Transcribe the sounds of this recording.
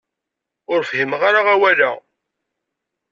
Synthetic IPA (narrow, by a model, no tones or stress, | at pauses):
ʊɾfɦimʁaɾaʁawæla